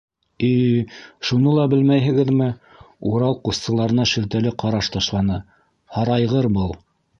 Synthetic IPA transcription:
iʃunɤlˠɑbɘlmæjɦɘ̆ɡɘðmɘ | uɾɑlˠqussɤ̆lˠɑɾɤ̆nɑʃɵ̆lt̪ælɘqɑɾɑʃt̪ɑʃlˠɑnɤ | hɑɾɑjʁɤɾbɤlˠ

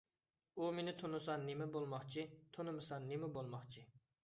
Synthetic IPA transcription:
umenɪt̪ʰonɨsɑnnemɛbolˠmɑχt͡ʃʰit̪ʰonɨmɨsɑnnemɛbolˠmɑχt͡ʃʰi

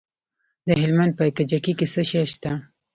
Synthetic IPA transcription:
d̪əɦɪlmand̪̚pət̪ad͡ʒakikesəʃaʃt̪a

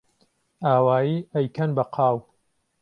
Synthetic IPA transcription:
aːwaːjiːɐjkʰɐnbɐqʰaːw

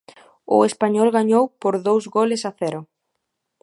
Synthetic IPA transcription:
ʊ̰espaɲɔlɣaɲowpoɾðowzɣolɪsaθɛɾʊ

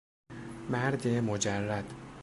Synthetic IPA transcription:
mæɾd̪emod͡ʒærːæd̪̥

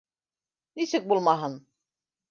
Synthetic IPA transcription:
nisik̚bulˠmaɦɯn

